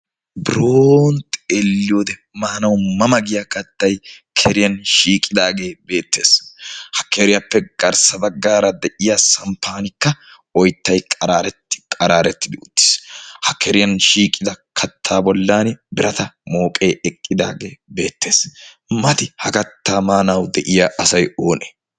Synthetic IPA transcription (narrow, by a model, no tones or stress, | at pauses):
bɾoːnt̪elːɪjoːd̪ɛ | maːnɐwmɐmɐɡɪjakɐt̪ːɐjkʰɛɾɪjɐnʃiːkʼːɪd̪aːɡe̞ːbe̞ːt̪ːe̞ːshɐkɛɾɪjɐpːɛɡ̥ɐɾsɐbɐɡːaːɾɐd̪ɛʔɪjasɐmpːaːnɪkːɐ | ɔjt̪ːɐjkʼɐɾaːɾɛt̪ːkʼɐɾaːɾɛt̪ːɪd̪ɪʊt̪ːɪ̥shɐkɛɾɪjɐnʃiːkʼːɪd̪ɐkʰɐt̪ʰːaːbɔlːaːnɪbɪɾɐt̪ɐmo̞ːkʼeːɛkʼːɪd̪a̰ːɡe̞ːbe̞ːt̪ʰːe̞ːs | mɐt̪ɪhɐkɐt̪ːaːmaːnɐwd̪ɛʔɪjaːʔɐsɐjo̞ːnɛ̥